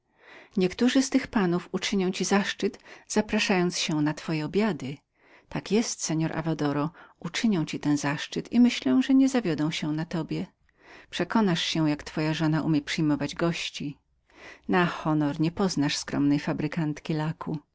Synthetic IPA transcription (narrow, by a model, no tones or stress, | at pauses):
ɲɛkt̪uʐɘst̪ɘxpanufut͡ʂɘɲɔ̃w̃t͡ɕizaʂt͡ʂɘt̪z̥apɾaʂajɔnt̪sɕɛnat̪fɔjɛɔbʲjad̪ɘ | t̪akjɛst̪sɛɲɔɾʔa̰vad̪ɔɾɔʔut͡ʂɘɲɔ̃w̃t͡ɕit̪ɛnzaʂt͡ʂɨt̪imɘɕlɛ̃w̃ʐɛɲɛzavʲjɔd̪ɔ̃w̃ɕɛnat̪ɔbʲjɛ | pʂɛkɔnaʂɕɛjakt̪fɔjaʐɔnaʔumʲjɛpʂɘjmɔvad͡ʑɡɔɕt͡ɕi | naxɔnɔɾɲɛpɔznaʂskɾɔ̰mnɛjfabɾɘkant̪kʲilakʰu